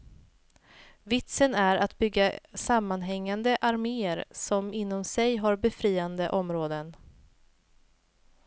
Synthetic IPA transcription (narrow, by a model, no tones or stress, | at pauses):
vɪt̪sənæɾat̪bʏɡːasamːanɦɛŋːand̪əʔaɾmeːəɾsɔmɪnːɔmsɛjɦaɾbɛfɾiːand̪əʔɔmɾoːd̪ən